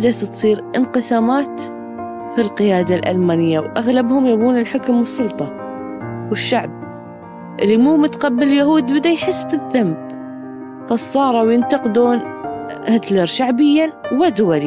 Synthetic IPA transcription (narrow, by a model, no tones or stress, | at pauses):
d̪aθt̪sˤiːɾʔɪnqɨsaːmaːt̪ | filqɪjaːd̪alʔa̰lmaːnɪjːawʔaɣlabhʊmjabuːnɪlħʊkmwɨsˤːʊlt̪ˤɑ | wɪʃːaʕb̚ | ʔɪlːimuːmʊt̪qɑbːɪljahuːd̪bɪd̪ajħɪsːfɪðːamː | fɑsˤːɑːɾˤɑwjɪnt̪ɑqd̪uːnhat̪ləɾˤʃaʕbɪjːawad̪ʊwali